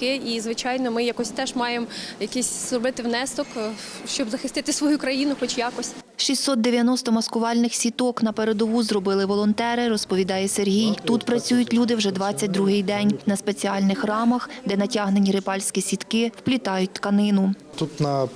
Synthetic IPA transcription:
kɪizʋɪt͡ʃɑjnɔmɪjɐkɔsʲt̪ɛʒmɑjemjɐkɪsʲzrɔbɪt̪ɪʋnɛst̪ɔkʃt͡ʃɔbzɐxɪst̪ɪt̪ɪsʋɔjukɾɐjinʊxɔt͡ʃʲjɑkɔsʲ | ʃisʲt̪ːɔt̪̚d̪eʋʲjɐnɔst̪ɔmɐskʊʋɑlʲnɪxsʲit̪ɔknɐpeɾed̪ɔʋuzrɔbɪlˠɪʋɔlˠɔnt̪ɛɾɪɾɔspɔʋʲid̪ɑjɛserɦʲijt̪ut̪pɾɐt͡sʲujʊtʲlʲud̪ɪwʒɛd̪ʋɑt͡sʲːɐt̚ʲd̪ɾuɦɪjd̪ɛnʲnɐspet͡sʲiɑlʲnɪxrɑmɐxd̪ɛnɐtʲɑɦnenʲiɾɪpɑlʲsʲkʲisʲit̪kɪwplʲit̪ɑjʊt̚ʲt̪kɐnɪnʊt̪ut̪nɐ

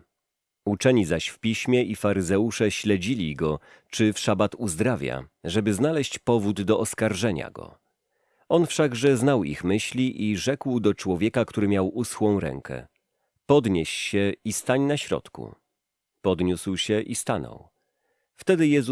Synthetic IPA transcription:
ut͡ʂɛɲizaɕfpʲiɕmʲjɛʔifaɾɘzɛuʂɛɕlɛd͡ʑilʲiɡɔ | t͡ʂɘfʂabat̪uzd̪ɾavʲja̰ʐɛbɘznalɛɕt͡ɕpɔvud̪ːɔʔɔskaɾʐɛɲa̰ɡɔ̰ | ɔnfʂaɡʐɛznawḭxmɘɕlʲiʔiʐɛkwd̪ɔt͡ʂwɔvʲjɛkakt̪uɾɘmʲjawusxwɔ̃w̃ɾɛ̰ŋkʰɛ̰ | pɔd̪ɲeɕɕɛist̪aɲnaɕɾɔ̰t̪kṵ | pɔd̪ɲuswɕɛʔist̪anɔ̰w | ft̪ɛd̪ɘjɛz

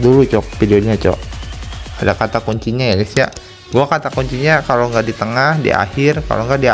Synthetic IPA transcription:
dulut͡ʃɔfidiodɲat͡ʃo̰ʔ | adakat̪akuɲt͡ʃiɲajaɡisja̰ | ɡuakat̪akuɲt͡ʃiɲakaloŋɡaʔdit̪əŋahdḭʔa̰hɪrka̰loŋɡaʔdia

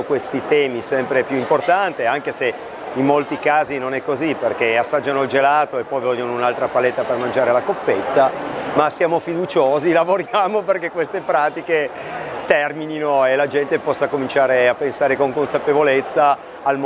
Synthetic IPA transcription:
kwest̪it̪ɛːmisɛmpɾepjuimport̪ant̪eaŋk̟ese | imːolt̪ikaːzinonɛkːoziperkeasːad͡ʒːanoild͡ʒelaːt̪oepːɔjvɔʎːonounalt̪ɾapalet̪ːapermand͡ʒaːɾelakopːet̪ːamasjaːmofid̪ut͡ʃoːzilavoɾjaːmoperkekːwest̪epɾaːt̪ike | t̪ɛrmininoelad͡ʒɛnt̪epɔsːakomint͡ʃaːɾeapːensaːɾekoŋkonsapevolet̪sːaː | lm

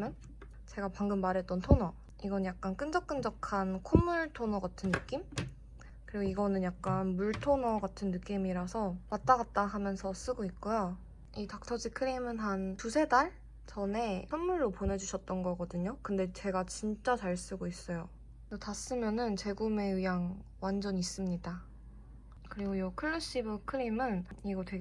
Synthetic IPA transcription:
mjʌn | t͡ɕe̞ɡapaŋɡɯmːaɾe̞t͈̚ʌntʰonʌ | iɡʌnjak̚k͈ank͈ɯnd͡ʑʌk̚k͈ɯnd͡ʑʌkʰankʰomːuɭtʰonʌɡatʰɯnːɯk͈im | kɯɾiɡoiɡʌnɯnjak̚k͈anmuɭtʰonʌɡatʰɯnːɯk͈imiɾasʰʌmat̚t͈aɡat̚t͈aɦamjʌnsʰʌs͈ɯɡoit̚k͈ujo | itak̚tʰʌd͡ʑikʰɯɾimɯnɦantusʰe̞daɭ | t͡ɕʌne̞sʌnmuɭːopone̞d͡ʑuɕʰʌt̚t͈ʌnɡʌɡʌdɯɲokɯnde̞t͡ɕe̞ɡat͡ɕint͡ɕ͈at͡ɕaɭs͈ɯɡois͈ʌjo | totas͈ɯmjʌnɯnt͡ɕe̞ɡume̞ɯjaŋwand͡ʑʌɲis͈ɯmɲida | kɯɾiɡojʌkʰɯɭːʌɕ͈ibɯkʰɯɾimɯniɡʌtwe

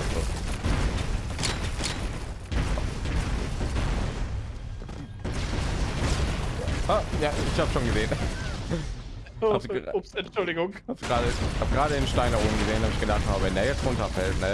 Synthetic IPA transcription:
zo̰ː | aajaɪçhaːbəsʃoːnɡəzeːn | hassɛnt͡ʃʊldɪɡʊŋaːbsɡʁaːɾəɪçhaːbəɡʁaːɾədeːnʃtaɪndaɐʔoːbm̩ɡəzeːnthaːbəɪçɡ̥ədaχthaːbvɛndeːɐjɛt͡stʁʊntɐfɛltna

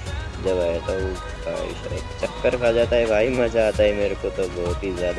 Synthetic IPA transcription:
d͡ʒɐbaːet̪o | ka̰ːḭʃɾ̰kt͡ʃɐkːəɾkaːd͡ʒaːt̪aɦɛbʱaːimɐ̃d͡ʒaːt̪aɦɛmeːɾekot̪obɔɦʊt̪ɦizjaːd̪

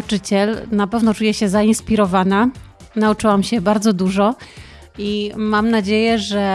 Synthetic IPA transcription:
t͡ʂɘt͡ɕɛlnapɛvnɔt͡ʂujɛɕɛzainspʲiɾɔvana | naut͡ʂɘwamɕɛbaɾd̪zɔd̪uʐɔ | imamnad͡ʑejɛʐɛ

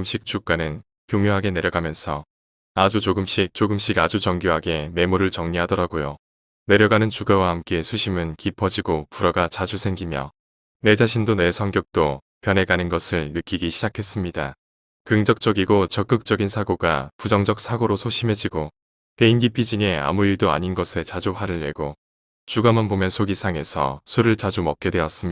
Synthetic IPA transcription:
mɕ͈ik̚t͡ɕ͈uk͈anɯn | kjuŋjoɦaɡe̞ne̞ɾjʌɡamjʌnsʰʌ | ad͡ʑut͡ɕoɡɯmɕ͈ik̚t͡ɕoɡɯmɕ͈iɡad͡ʑut͡ɕʌŋɡjoɦaɡe̞me̞muɾɯɭt͡ɕʌŋɲiɦadʌɾaɡojo | ne̞ɾjʌɡanɯnt͡ɕuɡawahamk͈e̞sʰuɕʰimɯnkipʰʌd͡ʑiɡopuɾʌɡat͡ɕad͡ʑusʰe̞ŋɡimjʌ̰ | ne̞d͡ʑaɕʰindone̞sʰʌŋɡjʌk̚t͈o | pjʌne̞ɡanɯnɡʌsʰɯɭnɯk͈iɡiɕʰid͡ʑakʰe̞s͈ɯmɲida̰ | kɯŋd͡ʑʌk̚t͡ɕ͈ʌɡiɡot͡ɕʌk͈ɯk̚t͡ɕ͈ʌɡinsʰaɡoɡa̰pud͡ʑʌŋd͡ʑʌk̚sʰaɡoɾosʰoɕʰime̞d͡ʑiɡo | pe̞inɡipʰid͡ʑiŋea̰muiɭdoa̰ɲinɡʌsʰe̞t͡ɕad͡ʑuɸwaɾɯɭːeɡo | t͡ɕuɡamanbomjʌnsʰoɡisʰaŋe̞sʰʌ̰sʰuɾɯɭt͡ɕad͡ʑumʌk͈̚e̞dwe̞ʌs͈ɯmɲ

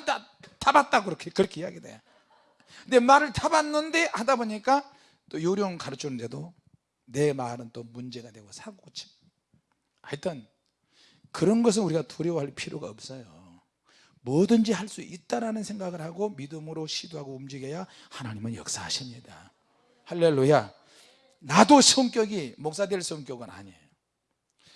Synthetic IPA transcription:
da | tabat̚t͈akɯɾʌkʰekɯɾʌkʰe̞ia̰ɡidḛja | ɯnde̞maɾɯɭtabanːɯnde̞hadaboɲik͈a | t͈ojoɾjoŋkaɾɯt͡ɕʰonɯnde̞do | ne̞maɾɯnt͈omund͡ʑe̞ɡadwe̞ɡosʰaɡoɡɯt͡ɕʰi̥ | atʰʌn | kɯɾʌnɡʌs̬ʰɯnuɾiɡatʰuɾjʌwaɦaɭpʰiɾjoɡaʌp̚s͈ʌjo | mʌdɯnd͡ʑihaɭs͈uʔit̚t͈aɾanɯnsʰe̞ŋɡaɡɯɭhaɡomidɯmɯɾoɕʰidoɦaɡoumd͡ʑiɡeja | hanaɲimɯnjʌ̰k̚s͈aaɕʰimɲida | haɭːeɭːuja | nadosʰʌŋk͈jʌɡimok̚s͈adwe̞ɭsʰʌŋk͈jʌɡɯna̰ɲejo

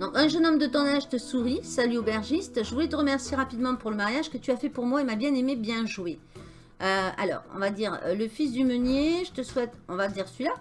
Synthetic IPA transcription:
d̪ɔ̃kɛ̃ʒənɔmd̪ət̪ɔ̃naʒt̪əsuʁisalyobɛʁʒist̪ʒəvulɛt̪əʁəmɛʁsjeʁapid̪mɑ̃puʁləmaʁjaʒkət̪yafɛpuʁmwaemabjɛ̃nemebjɛ̃ʒwe | øa̰lɔ̰ːʁɔ̰̃vad̪iːʁə̰ləfisd̪ymənjeʒət̪əswɛt̪ɔ̃vad̪iʁsɥila

